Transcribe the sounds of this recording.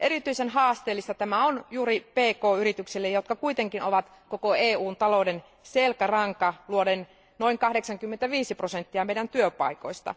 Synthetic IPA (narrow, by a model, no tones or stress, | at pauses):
ʔeɾit̪yisenɦɑːst̪eːlːist̪ɑt̪æmæonjuːɾipeːkoːyɾit̪yksilːejot̪kɑkuit̪eŋkinoʋɑt̪ | kokoeːuːnt̪ɑlouden | selkærɑŋkɑluoden | noiŋkɑhɾeksɑŋkymːent̪æʋiːsiprosent̪ːiɑmeidænt̪yøpɑ̰iko̞̰ist̪ɑ̰